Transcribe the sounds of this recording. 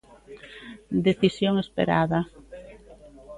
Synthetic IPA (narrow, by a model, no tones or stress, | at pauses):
d̪eθisjoŋespḛɾa̰ðɐ